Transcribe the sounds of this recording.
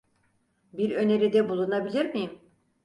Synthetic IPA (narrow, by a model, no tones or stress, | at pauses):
biɾø̞ne̞ɾid̪ɛbulˠunabilʲiɾmijm